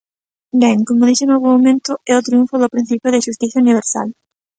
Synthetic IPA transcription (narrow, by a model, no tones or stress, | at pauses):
beŋkomʊðisenoβomomẽnt̪ʊɛʊt̪ɾiuɱfoðʊpɾin̟θipjʊðɪʃust̪iθjauniβ̞eɾsa̰l